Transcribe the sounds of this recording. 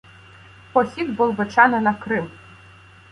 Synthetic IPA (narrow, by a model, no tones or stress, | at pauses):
pɔsʲiɡ̪bɔlˠbet͡ʃɑnɐnɐkɾɪm